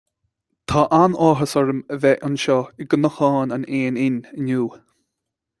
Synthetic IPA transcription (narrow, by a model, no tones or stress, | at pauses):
t̪ʰaʔanɔːɦəsɔɹəməvɛʔʊnʃɔɪɡənəhɑːnaneːnɪnənuː